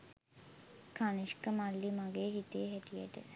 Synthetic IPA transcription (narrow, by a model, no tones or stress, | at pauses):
kaniʃkəmalːimaɡeːɦit̪eːɦæʈijæ̰ʈə̰